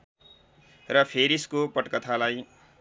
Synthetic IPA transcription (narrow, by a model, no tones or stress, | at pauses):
rʌpʰeɾiskopʌʈkʌt̪ʰalaj